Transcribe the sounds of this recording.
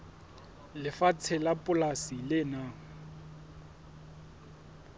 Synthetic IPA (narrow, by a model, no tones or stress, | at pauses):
lɪfat͡sʰɛlapʼʊlasilɪnaː